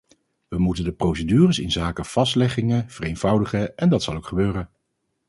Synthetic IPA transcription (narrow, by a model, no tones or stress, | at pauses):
ʋəmutəndəprowsədyːrəsɪnzaːkəv̥ɑstlɛχɪŋəv̥ərejnvʌwdəχəɛndɑtsɑlˠowkχəbøːrən